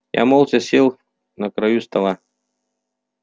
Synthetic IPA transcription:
ja̰molˠsʲɐsʲelˠ | nəkɾɐjust̪ɐlˠa

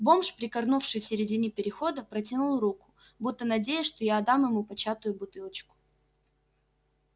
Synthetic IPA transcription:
bo̞mʂpɾʲɪkɐrnufʂɨjfsʲɪɾʲɪdʲinʲɪpʲɪɾʲɪxo̞d̪əpɾətʲɪnulˠrukʊ̥ | but̪ːənɐdʲejɪʂt̪ojaːd̪amjɪmupɐt͡ɕat̪ʊjʊbʊt̪ɨlˠət͡ɕkʊ̥

